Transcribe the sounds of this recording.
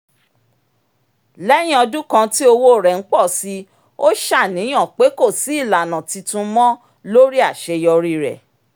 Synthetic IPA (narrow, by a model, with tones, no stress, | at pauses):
lɛ˦j̃ĩ˦ɔ˧dũ˦kã˧ti˦o˧wo˦˨ɾɛ˨ŋ̩˦k͡pɔ˦˨si˧ | o˦ʃa˦˨nĩ˨˦j̃ɔ̃˦˨k͡pe˨˦ko˦˨si˨˦i˦˨la˨nã˨ti˧tũ˧mɔ̃˦ | lo˦ɾi˦a˦˨ʃe˧jɔ˧ɾi˦˧ɾɛ̰˨